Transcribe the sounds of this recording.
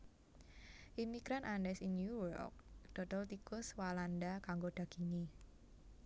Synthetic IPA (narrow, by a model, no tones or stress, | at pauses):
ʔimiɡ̥ɾanʔandɛsinjujɔ̰k̚d̪̥ɔ̤d̥ɔlt̪ikʊswalandakaŋɡoɖ̥ä̤ɡ̥ini